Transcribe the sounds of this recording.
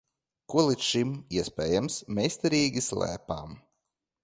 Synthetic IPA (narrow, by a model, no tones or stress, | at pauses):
kuɔlˠit̪sʃimiɛspʲɛːjamsmʲeːsʲt̪ɛɾiːɡʲislæ̰ːpaːm